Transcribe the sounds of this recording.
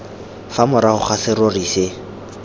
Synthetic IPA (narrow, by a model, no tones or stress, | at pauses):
famʊɾahʊχasɪɾoriːse